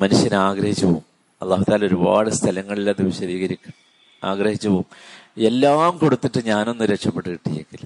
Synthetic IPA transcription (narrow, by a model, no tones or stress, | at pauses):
mɐnuʂjɐnaːɡɾɐhit͡ɕːɐʋo̰m | ɐlːaːɦut̪aːlɐo̞ɾuba̰ːɻɨst̪ʰɐlɐŋːɐɭilaðɨʋiɕɐðiːɣɐɾikʲːu | aːɡɾɐhit͡ɕːɐʋome̞lːaːmko̞ɽut̪ːiʈːɨɲaːno̞nːɨɾekʂɐpːeʈːɨkiʈːijekːil